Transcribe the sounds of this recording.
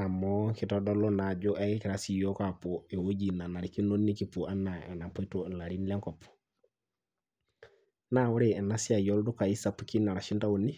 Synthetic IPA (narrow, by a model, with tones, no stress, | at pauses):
na˨moki˨todo˦lo˦na˨d͡ʒu˦ʔakiki˨ɾasijo˦kapo˨e˨wo˦ɟi˨na˨na˨ɾiki˦nonːi˦ki˨puʔa˦nːa˨na˨po˦i˦tu˦la˨ɾi˦nle˦ŋkɔp | nawu˦ɾee˨nasi˦a˨jo˦ldu˦ka˨i˦sa˨pːu˦ki˦na˨ɾa˨ʃi˦nta˦wuni